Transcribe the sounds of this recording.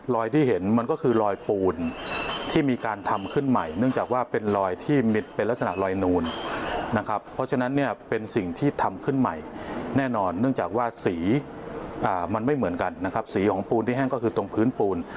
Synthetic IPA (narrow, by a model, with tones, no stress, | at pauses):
lɔː˧jt̪ʰiː˥˩ɦe˩˦nma˧nkɔː˥˩kʰɯː˧ɾɔː˧jpuː˧nt̪ʰiː˥˩miː˧kaː˧nt̪ʰa˧mkʰɯ˥˩nma˨˩jnɯ˥˩ŋt͡ɕaː˨˩k̚waː˥˩pe˧nlɔː˧jt̪ʰiː˥˩mi˧˩t̪pe˧nla˦˥k̚sa˧na˨˩lɔː˧jnuː˧nːa˦˥kʰa˦˥pʰːɔ˦˥t͡ɕʰa˧na˦˥nːi˥˩ɐpe˧nsi˨˩ŋt̪ʰiː˥˩t̪ʰa˧mkʰɯ˥˩nma˨˩jnɛː˥˩nɔː˧nːɯ˥˩əŋt͡ɕaː˨˩k̚waː˥˩siː˩˦ | ʔaː˨˩ma˧nma˥˩jmɯ˩˦ənka˧nːa˦˥kʰa˦˥p̚siː˩˦kʰɔː˩˦ŋpuː˧nt̪i˥˩ɦɛ˥ŋkɔː˥˩kʰɯː˧t̪o˧ŋpʰɯː˦˥npuː˧n